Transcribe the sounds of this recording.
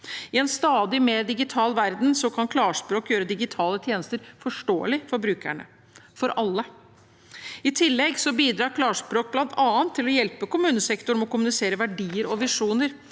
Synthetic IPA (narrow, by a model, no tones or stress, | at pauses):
ɪɛnst̪ɑːd̪ɪmeːɾd̪ɪɡɪt̪ʰɑːlʋæɾd̪nsɔkʰɑnkʰlɑːʂpɾoːkjøːɾəd̪ɪɡɪt̪ʰɑːlət̪ʰjeːnəst̪əɾfɔʂʈo̰ːə̰lɪfɔɾbɾʉːkʰæ̰ɳə̰ | fɔɾʔɑlːə | ɪt̪ʰɪlːɛɡsɔbiːd̪ɾɑːɾkʰlɑːʂpɾoːk̚blɑnt̪ʰɑːənt̪ʰːɪlːɔjɛlpəkʊmʉːnəsɛkt̪ʊɳmɔkʊmʉnɪseːɾəʋæɖiːəɾɔʋɪʂuːnəɾ